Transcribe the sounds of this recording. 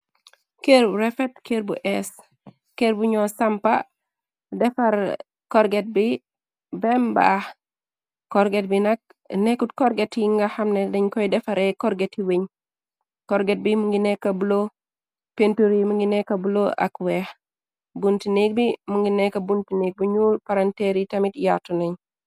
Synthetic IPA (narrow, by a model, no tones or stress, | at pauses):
keɾbuɾefetkeɾbuʔɛs | keɾbuɲɔsampa̰ | dɛfaɾ | kɔɾɡet̚bi | bɛmba̰ː | kɔɾɡet̚binak̚ | nekutkɔɾɡetiŋɡaxamnedeɲkɔjdɛfaɾɛkɔɾɡetiweɲ | kɔɾɡet̚bimuŋɡinekːabulo | pentuɾimuŋɡinekːabuloʔa̰kwɛx | buntinek̚bimuŋɡinekabuntinek̚buɲupaɾanteɾitamitjatuneɲ